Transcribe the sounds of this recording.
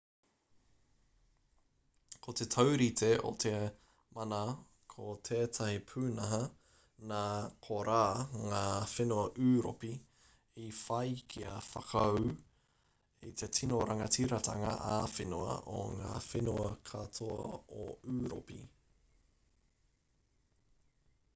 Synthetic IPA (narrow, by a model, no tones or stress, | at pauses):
kʰot̪etʰɐwɾit̪ʰeo̰t̪ʰe | mɐnɐ | kʰot̪ʰeːt̪ʰɐhipʰʉːnɐɦɐ | naːkʰoɾaːŋaːfenuɐʔʉːɾopi | ifɐjkʰiɐfɐkʰːw | ḭt̪ʰetʰinoɾɐŋɐtiɾɐt̪ʰɐŋɐ̰ʔafenuɐ̰ʔo̰ŋa̰ːfenuɐkʰɐtʰoɐ̰oʉːɾo̰pḭ